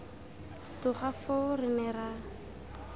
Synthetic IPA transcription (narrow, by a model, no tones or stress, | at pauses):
tʊχafʊrɪnɛra